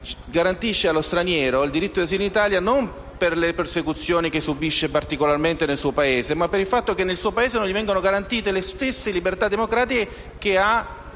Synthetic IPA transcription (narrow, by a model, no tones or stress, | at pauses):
ɡaɾant̪iʃːealost̪ɾanjɛːɾoild̪iɾit̪ːod̪is̬init̪aːljanom | perlepersekut̪sːjoːnikesːubiʃːepart̪ikolarment̪enelsuːopaeːzemapːeɾilfat̪ːokenːelsuːopaeːzenonʎivɛŋɡanoɡaɾant̪iːt̪elest̪esːelibert̪ad̪ːemokɾaːt̪ike | kea